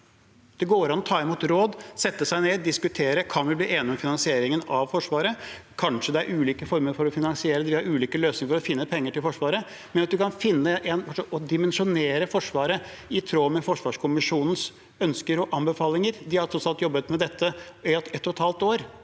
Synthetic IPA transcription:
d̪̥ɛɡoːɾɑnːɔt̪ʰɑːɪmuːt̪ɾoːd̪sɛt̪ːəsæɪneːd̪ɪskʉt̪ʰeːɾəkʰɑnʋɪbliːʔeːnɪɔmfɪnɑnsɪeːɾɪŋənɑʋfɔʂʋɑːɾəkʰɑnʂəd̪ɛæɾʔʉːliːkəfɔɾməɾfɔɾɔfɪnɑnsɪeːɾd̪ɪɑɾʉːliːkəløːsnɪŋəfɔɾɔfɪnːəpʰɛŋːəʈɪlfɔʂʋɑːɾə | mɛnɑt̪̚d̪ʉkɑnfɪnːəʔɛnʋɑʂɔɔd̪ɪmɛnʂʊneːɾəfɔʂʋɑːɾə | ɪt̪ʰɾoːmɛfɔʂʋɑːʂkʰʊmɪʂuːnn̩s | œnskəɾɔʔɑmbəfɑːlɪŋəɾd̪ɪhɑɾt̪ʰɾɔt̪sɑlt̪jɔbːət̪mɛd̪ɛt̪ʰːəɪɛt̪ːʊt̪ʰɑːlt̪oːɾ

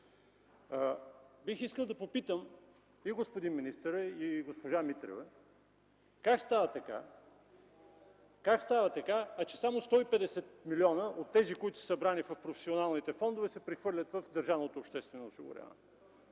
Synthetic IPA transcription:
bixiskəlˠd̪ɐpopit̪əm | iɡospod̪inminist̪əɾəiɡospoʒamit̪ɾo̰vɛ | kakst̪avɐt̪ɐka̰ | kakst̪avɐt̪ɐkaɐt͡ʃɛsamost̪ɔipɛd̪ɛsɛt̪miliɔnəʔot̪ːɛzikoit̪ʊ̥sə̥sɐbɾanifɐfpɾofɛ̥sionalˠnit̪ɛfɔnd̪ovɛsɛpɾixvɤɾlʲət̪vəfd̪əɾʒavnot̪oːpʃt̪ɛst̪vɛnoːsiɡʊ̰ɾʲʔa̰vɐ̰nɛ

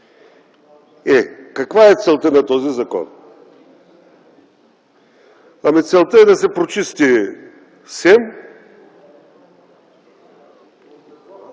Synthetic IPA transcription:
ɛkɐkvaɛt̪sɛlˠt̪ənɐt̪ɔzizɐkɔ̰n | ɐmit̪sɛlˠt̪əɛd̪ɐsɛpɾot͡ʃist̪i | sɛm

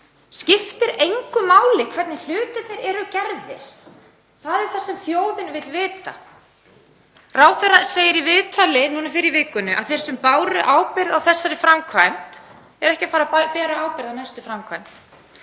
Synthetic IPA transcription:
scɪft̪ɪɾejŋkʏmaːwlɪkʰvɛɾt̪nɪl̥ʏːt̪ʏθejɾɛɾʏcɛɾðɪ̰ɾ̥ | θaðɛɾ̥θasɛmθjoːwðɪnvɪt̪lvɪːt̪a̰ | raːwθɛraseːjɪɾivɪːt̪ʰalɪnuːnafɪɾɪivɪːkʏnʏʔa̰ðθejɾ̥sɛmpaːwɾʏʔaːwpɪɾðawθɛsːaɾɪfɾamkʰvajmt̪ | ɛɾɛhcɪfaːɾapɛːɾaaːwpɪɾðawnajst̪ʏfɾamkʰvajmt̪

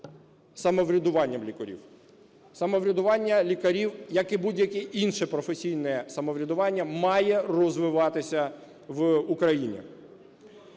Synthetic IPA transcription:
sɐmɔʋɾʲɐd̪ʊʋɑnʲːɐmlʲikɔɾʲḭw | sɐmɔʋɾʲɐd̪ʊʋɑnʲːɐlʲikɐɾʲiwjɐkɪbudʲjɐkʲɛʔinʃɛpɾɔfesʲijnɛsɐmɔʋɾʲɐd̪ʊʋɑnʲːɐmɑjɛrɔzʋɪʋɑt̪ɪsʲɐ | ʋukɾɐjinʲḭ

